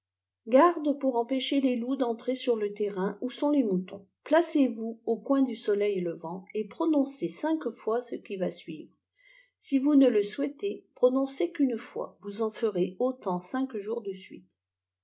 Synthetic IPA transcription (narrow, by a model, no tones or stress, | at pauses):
ɡaʁd̪puʁɑ̃peʃelelud̪ɑ̃t̪χesyʁlət̪ɛʁɛ̃usɔ̃lemut̪ɔ̃ | plasevuokwɛ̃d̪ysɔlɛjləvɑ̃epχɔnɔ̃sesɛ̃kfwasəkʲivasɥivʁə | sivunələswɛt̪epχɔnɔ̃sekynfwa̰vuzɑ̃fəʁeot̪ɑ̃sɛ̃kʒuʁd̪əsɥḭt̪